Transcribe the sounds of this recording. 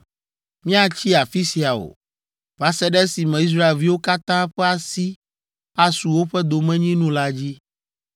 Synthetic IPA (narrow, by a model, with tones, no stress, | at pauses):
mĩ˦a˨t͡ɕi˦a˨fi˦si˨a˨o̰˨ | va˦sɛ˦ɖɛ˦si˨mɛ̃˨i˦s̬ɾa˦e˨lvi˦wo˦ka˦t̪ã˦ɸɛ˦a˨si˦ | a˨su˨wo˦ɸɛ˦d̪o˨mɛ̃˦ɲĩ˦nũ˦la˦d͡ʑi˦